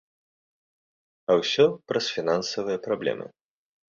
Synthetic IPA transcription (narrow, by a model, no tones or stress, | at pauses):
ɐwsʲɔpɾɐsfʲinansɐvɨjɐpɾablʲɛ̰mɨ̰